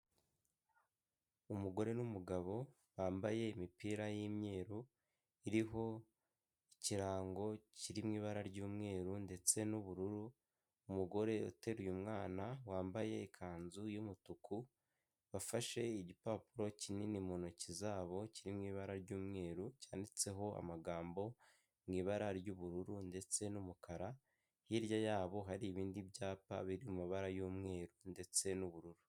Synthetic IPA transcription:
umuɡo̞ɾe̞numuɡaβo̞ | waːmbaje̞imipiːɾajimɲe̞ːɾu | iɾiɦo̞ | iciɾaːŋɡo̞ciɾimŋiːβaɾaɾɟuːmŋe̞ːɾunde̞t͡se̞nuβuɾuɾuː | muɡo̞ɾe̞ṵte̞ɾujumŋaːnawaːmbaje̞ːkʰaːnzujumutukʰu | βafaʃe̞iɟipaːpuɾo̞cininimonocizaːβo̞ciɾimŋiːβaɾaɾɟuːmŋe̞ːɾucaːndit͡se̞ɦo̞a̰maɡaːmbo̞ | mŋiːβaɾaɾɟuβuɾuɾunde̞t͡se̞numukaɾa | hiɾjajaːβo̞ɦaɾiːβiːndiβɟaːpa̰βiɾiumiβaɾajuːmŋe̞ːɾunde̞t͡se̞nuβuɾuɾu

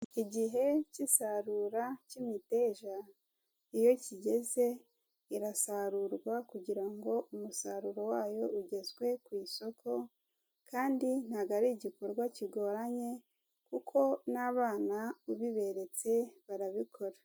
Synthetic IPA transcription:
iiɟiɦe̞cisaɾuɾacimite̞ːʒa | ijo̞ciɟe̞ze̞ | iɾasaɾuɾɡwakuɟiɾaŋɡo̞ʔumusaɾuɾo̞waːjo̞uɟe̞zɡwe̞kwiːso̞kʰo̞ | kʰaːndin̥haɡaɾiɟiko̞ɾɡwaciɡo̞ːɾaɲe̞ | kukʰo̞naβaːnauβiβe̞ɾe̞t͡se̞βaɾaβikʰo̞ɾa

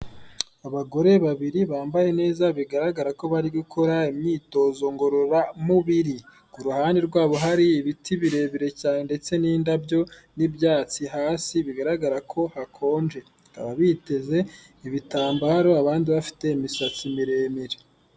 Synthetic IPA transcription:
aβaɡo̞ɾe̞βaβiɾiβaːmbaje̞ne̞ːzaβiɡaɾaɡaɾako̞βaɾiɡukʰo̞ɾaimɲiːto̞ːzo̞ŋɡo̞ɾoɾamuβiɾi | ɡuɾuhaːndeɾɡwaːβo̞ɦaɾiːβitʰiβiɾe̞ːmiɾe̞caːnende̞t͡se̞niːndabjo̞nibjaːt͡siɦaːsiβiɡaɾaɡaɾakʰo̞hakʰo̞ːnd͡ʒe̞ | ɡa̰βaβite̞ze̞ | iβitaːmbaɾo̞aβaːndiβafi̥te̞imisat͡simiɾe̞miɾe

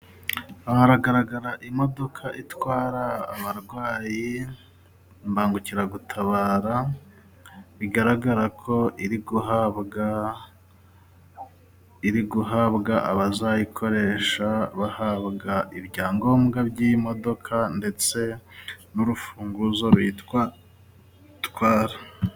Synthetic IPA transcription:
ahaɾaɡaɾaɡaɾaʔimo̞do̞kʰaʔitwaːɾaːβaɾɡwaːji | mbaːŋɡuciɾaɡutʰaβaːɾa | βiɡaɾaɡaɾakʰo̞ʔiɾiɡuhaβ | iɾiɡuɦabɡaʔaβazajikʰo̞ɾe̞ʃaβahaβɡaʔibɟaːŋɡo̞ːmɡabɟimo̞do̞kʰande̞t͡se̞nuɾufuːŋɡuzoβit | tkwaːɾa

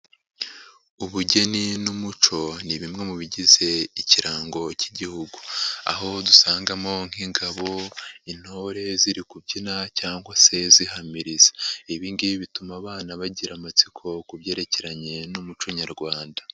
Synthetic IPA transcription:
uβuɟe̞ninumut͡ʃo̞niβimŋe̞muβiɟize̞iciɾaːŋɡo̞ciɟihuɡua̰ɦo̞dusaːŋɡamo̞ŋ̥hiŋɡaβo̞in̥hoɾe̞ziɾikubɟinacaːŋɡwase̞ziɦamiɾizḁiβiːndiβitumaβaːnaβaɟiɾamat͡sikʰo̞kuβje̞ːɾe̞ce̞ɾaɲe̞numut͡ʃo̞ɲaɾɡwaːnda

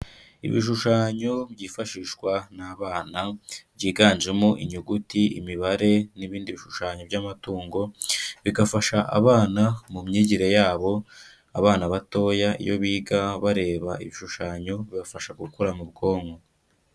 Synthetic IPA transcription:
ḭβḭʃ̬uʃaːɲo̞bɟiːfaʃiːʃwanaːβaːnabɟiːɡaːnʒe̞mo̞ʔḭɲuɡutiḭmiβaɾe̞niβiːndiβiʃuʃaːɲo̞bɟaːmatuːŋɡo̞βiɡafaʃaʔa̰βaːnamumɲiːɟiɾe̞jaːβo̞ | aβaːnaβato̞ːjaḭjo̞̰βiːɡaβaɾe̞ːβaiβiʃuʃaːɲo̞βiβafaʃaɡukuɾamub̚ɡo̞ːŋɡo

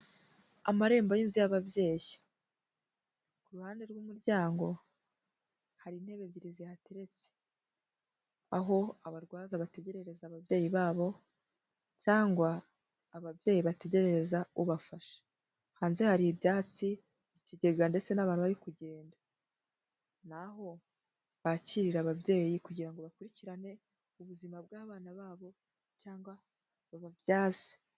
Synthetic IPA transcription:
amaɾe̞ːmbajiːnzujaβabje̞ːji | kuɾuhaːnde̞ɾɡumuɾɟaːŋɡo̞ | haɾinhe̞βe̞βɟiɾizijateɾe̞t͡se̥ | aɦo̞aβaɾɡwaːzaβate̞ɟe̞ɾe̞ɾe̞zaːβavjeːjiβaːβo̞ | caːŋɡwaː | βavje̞ːjiβate̞ɟe̞ɾe̞ɾe̞zauβafaʃḁ | haːnze̞haɾibjaːt͡si | iciɟe̞ɡande̞t͡se̞naβaːnuβaɾikuɟe̞ːnda | naɦo̞ | βaciɾiɾaβabje̞ːjikuɟiɾaŋɡo̞βakuɾiciɾane̞ | uβuzimabɡaːβaːnaβaːβo̞ | caːŋɡwa | βaβavjaːze̥

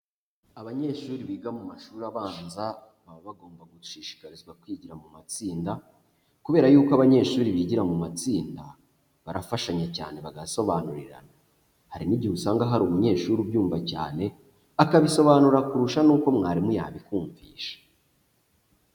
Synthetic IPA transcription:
aβaɲe̞ːʃuːɾiβiːɡamumaʃuːɾaβaːnza | βaoβaɡo̞ːmbaɡuuʃiːʃi̥kaɾizɡwakwiːɟiɾamumat͡siːnda | kuβeːɾajuːkoaβaɲe̞ːʃuːɾiβiɟiɾamumat͡siːnda | βaɾafaʃaɲaca̰ːne̞βaɡaso̞βanuɾiɾa̰na | haɾinibɟihusaːŋɡaɦaɾumuɲe̞ːʃuːɾubjuːɱvaca̰ːne̞ | akaβiso̞βanuɾakuɾuʃanuːko̞mŋaːɾimuja̰ːβikuːɱvḭːʃḁ

